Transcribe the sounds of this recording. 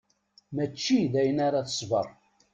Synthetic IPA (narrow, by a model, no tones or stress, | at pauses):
mæt͡ʃːiðæjənaɾaθə̥sˤvə̰ɾˤ